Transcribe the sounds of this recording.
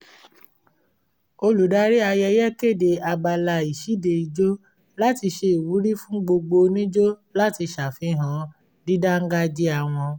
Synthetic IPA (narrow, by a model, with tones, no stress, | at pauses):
o˧lu˨da˨˦ɾi˦a˧jɛ˧jɛ˦ke˦˨de˨a˧ɡ͡ba˧la˧˨i˨ʃi˨˦de˨i˨d͡ʒo˦ | la˦ti˧ʃe˧i˨wu˨˦ɾi˦fũ˦ɡ͡bo˧ɡ͡bo˧nĩ˦d͡ʒo˦la˦ti˧ʃa˨fi˨˦ɦã˨˦ | di˦da˦ŋ̩˦ɡa˦d͡ʒi˦a˨w̃ɔ̃˧